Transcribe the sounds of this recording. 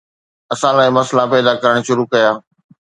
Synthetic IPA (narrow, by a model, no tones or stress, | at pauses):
ɐsãlaːimɐslapɛːd̪akɐɾəɽ̃ʃʊɾukɐjaː